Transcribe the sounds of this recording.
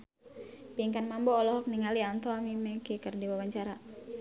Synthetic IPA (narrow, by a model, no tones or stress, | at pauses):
piŋkanmambɔːlɔɦɔk̚niŋaliant̪ɔamimɛkikərdiwawaɲt͡ʃaɾa